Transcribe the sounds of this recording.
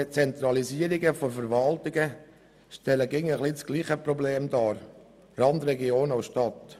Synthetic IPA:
t͡sɛnt̪ɾɑliziəɾɪɡəfɔfɛɾʋɑlt̪ɪɡə | ʃtɛləɡɪŋəχlit͡sɡ̥liːχəpɾobleːmd̪ɑːɾ | ɾɑnd̪ɾɛɡioːnaʊsʃtɑt̪

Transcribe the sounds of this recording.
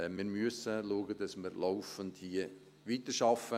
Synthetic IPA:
miːɾmyəsəluəɡədɑsməɾloʊfəndhiə | ʋiːtəʃɑfə

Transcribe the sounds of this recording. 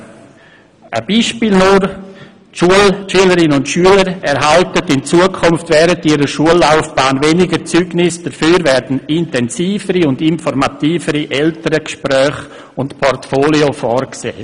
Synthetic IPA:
ʔə̰biːʃpiːlnʊɾ | ʃuəlʃyələɾɪnʊntʃyələɾɛɾɦaltətɪnt͡suəkʰʊmftvɛɾətiːɾəʃuəlːaʊfb̥aːnvenɪɡəɾt͡syɡ̥nɪsd̥əɾfyːɾvɛɾd̥n̩ɪntɛnsiːfəɾiʊndɪnfɔɾmatiːfəɾiʔɛltəɾəkʃpɾœːχ | ʊntpʰɔrtfoːliofɔrksḛː

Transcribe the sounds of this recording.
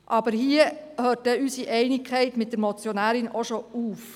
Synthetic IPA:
ʔɑb̥əɾɦiəhøːt̚d̥ɛysiʔɛɪnɪkʰɛɪtmɪt̚d̥əɾmɔt͡sjonæːɾɪnʔoʃouːf

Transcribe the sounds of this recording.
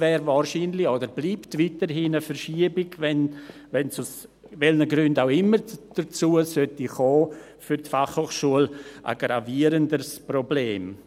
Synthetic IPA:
vɛːɾvaːrʃiːnlɪodəɾbliːptviːtəɾɦiːnəfərʃiəbɪɡ̥vɛn | vɛnsʊs | vɛlnəɡɾʏndawɪmːəɾd̥ət͡suːəsœtiχɔː | fʏɾtfaχhoːχʃuəlʔə̰ɡɾaviəɾəndəɾsprobleːm

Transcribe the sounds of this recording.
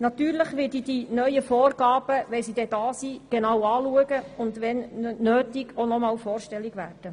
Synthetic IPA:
nɑt̪yːɾləχʋɪdidinœʏjəfɔːrɡɑːb̥əʋɛlsid̪ɛd̥ɑːsiːɡ̥enɑwɑːluəɡəʊndʋɛnnøːtiɡ̥onɔmɑːlfɔːrʃtɛlːiɡʋæːrd̥ə

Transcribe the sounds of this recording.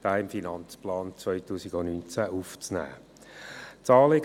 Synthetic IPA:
d̥aːɪmfinɑnt͡splɑːnt͡svœʏtuːsiɡɔnynt͡sæʔuft͡snæ̰ː | t͡sɑːleɡ

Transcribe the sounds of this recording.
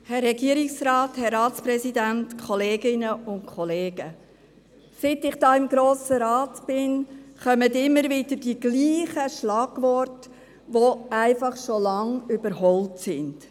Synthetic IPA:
hɛrːɛɡiəɾɪksrɑːthɛɾːɑːtsprɛsidæntkʰɔleːɡɪnəʊntkʰχɔleːɡə | sɪtɪχd̥ɑːɪmɡɾoːsəɾɑːtb̥ɪnχœmətɪmːəɾvɪdəd̥iɡ̥liːχəʃlɑːɡ̥vɔrtə | ʋoæɪfɑχʃolɑŋʏbəɾhɔltsɪnd̥

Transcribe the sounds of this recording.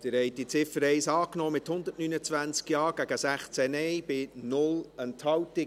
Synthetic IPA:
d̥ɪɾhɛɪt̚d̥it͡sɪfəɾɛɪsɑːknoːmɪthʊnd̪ətnynət͡svænt͡skjɑːɡ̥æɡəsæχt͡sɛnɛɪbɪnʊləntʰhɑwtɪ

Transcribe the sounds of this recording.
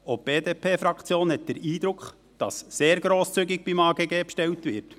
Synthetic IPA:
ob̥eːdeːpʰeːfɾɑkχt͡sjoːnhɛt̚d̥əɾiːd̪ɾʊkχ | d̥ɑ̰sːeːɾɡɾoːst͡syɡɪk̚b̥imɑːɡeɡeːpʃtɛltʋɪrt

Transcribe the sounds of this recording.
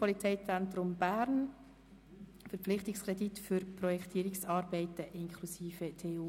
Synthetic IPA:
pɔlit͡sɛɪt͡sɛntɾʊmb̥æɾn | fɛɾpp͡flɪχtɪkskrɛditfʏɾpʰɾɔjɛktʰiːəɾɪksɑːɾbɛɪtəʔɪnkʰlusiːfətʰeːuː

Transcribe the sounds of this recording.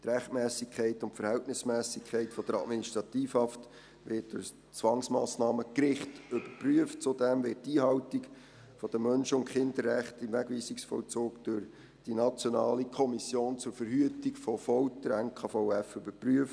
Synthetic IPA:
t̪ɾæχtmɛːsɪkʰχɛɪtʊntfəɾhɛltnɪsmɛːsɪkʰæɪtfɔd̥əɾɑ̰dminiʃtɾɑtiːfhɑft | ʋɪt̚d̥ʊs | t͡sʋɑŋsmɑːsnɑːməkɾɪχtʏb̥əɾpryəft̚t͡sudɛmvɪtːiːɦɑʊtɪk | fɔd̥əmːœnʃəʊntχɪnd̥əɾːæχtɪmvæɡʋiːsɪksfɔ̰lt͡soːkd̥ʊɾ | d̥inɑt͡sjɔnɑːlikʰɔmisjoːnt͡sʊɾfəɾhyətɪkfɔfɔwtəɾænkʰɑfɔʊæfʏbəɾpryəft

